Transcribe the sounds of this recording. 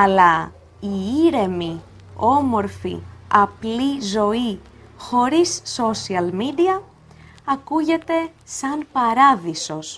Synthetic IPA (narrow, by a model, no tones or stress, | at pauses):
ɐlɐ | iiɾe̞mi | o̞mo̞ɾfḭɐplizo̞i | xo̞ɾisːo̞siɐlmid̪iɐ | ɐkuʝe̞t̪e̞sɐnpɐɾɐðiso̞s